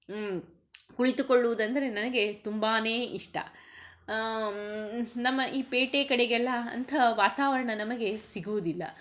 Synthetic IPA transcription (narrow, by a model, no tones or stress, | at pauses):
kuɭit̪ukoɭːuʋud̪ɐnd̪ɐɾe̞nɐnɐɡe̞t̪umbaːne̞ːiʂʈɐ̰ | nɐmːɐʔiːpeːʈekɐɽeɡɛlːɐɐ̰nt̪ʰɐʋaːt̪aːʋɐɾɐɳɐnɐmɐɡe̞siɡuʋud̪ilːɐ̰